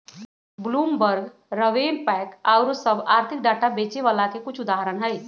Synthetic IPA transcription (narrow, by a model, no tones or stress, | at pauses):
bluːmbəɾɡ | ɾəʋeːnpɛːkaʊɾsəbaːɾt̪ʰɪk̚ɖaːʈabeːt͡ʃeʋaːlakekʊt͡ʃʰʊd̪aːɦəɾənɦɛj